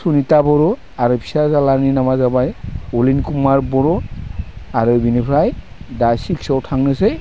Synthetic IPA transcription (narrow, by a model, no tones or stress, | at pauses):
sunitabɔɾɔ | aɾupʰi̥sazalaninamazabajulinkumaɹbɔɾɔ | aɾɯbinipʰɹaj | dajsiksɔwtʰaŋnɯse